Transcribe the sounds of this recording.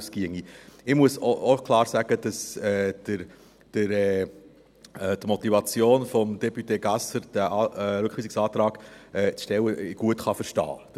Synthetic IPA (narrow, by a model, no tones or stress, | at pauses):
skiəŋiɪmuəsookʰlɑːɾsæɡ̥əd̥ɑsɛːd̥əɾ | d̥əɾɛ | d̥̪mɔt̪ivɑt͡sjoːnfɔmd̥ɛpyt̪eːɡɑsəɾd̥æʔɑːɛlʉkχiːsiksɑːt̪ɾɑːɡ̥ɛːt͡sʃtɛwəɡ̥uətχɑfəɾʃtɑ̰ː